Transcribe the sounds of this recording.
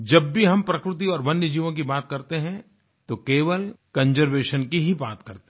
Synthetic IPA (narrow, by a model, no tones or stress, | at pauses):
d͡ʒɐbːiɦɐmpɾɐkɾɪt̪iɔːɾʋɐnːjəd͡ʒiːʋõk̬ibaːt̪̚kɐɾt̪eɦɛ̃ | t̪okeːʋəlkɐ̃nd͡ʒəɾʋeːʃənkiɦibaːt̪kɐɾt̪e̥